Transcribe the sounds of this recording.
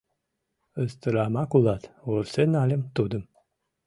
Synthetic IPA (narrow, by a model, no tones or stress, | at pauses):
əst̪əɾɑmɑkulɑt̪orsenɑlʲəmt̪ud̪ə̆m